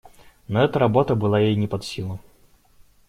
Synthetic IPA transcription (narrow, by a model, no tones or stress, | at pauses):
nɔɛt̪əɾɐbɔt̪əbɨlˠajejnʲɪpɐt̪sʲilˠʊ